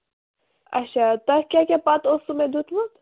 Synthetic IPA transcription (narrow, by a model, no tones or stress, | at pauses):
ɐ̰t͡ʃʰat̪ɐkʲakʲapat̪osumẽd̪ut̪ʰbut̪